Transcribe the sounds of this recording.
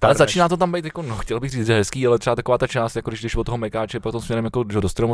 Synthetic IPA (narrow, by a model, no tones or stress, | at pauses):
alɛzat͡ʃiːnaːt̪ot̪ambɛjt̪jakonoxcɛlbɪxriːt͡s̪ʒɛɦɛskiːalɛt̪rɛat̪akovaːt̪at͡ʃaːst̪jakodɪʒɡdɛʃvot̪oɦomɛkaːt͡ʃɛpaokt̪omsmɲɛɾɛmjakodɪʃɦodost̪ɾom